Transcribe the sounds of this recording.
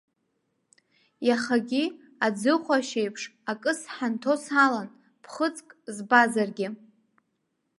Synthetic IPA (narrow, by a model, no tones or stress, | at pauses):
jaχaɡʲi | ad͡zɨχʷaʃejpʰʂakʼɨsħantʰo̞salan | pʰχət͡sʼkʼzbazarɡʲɪ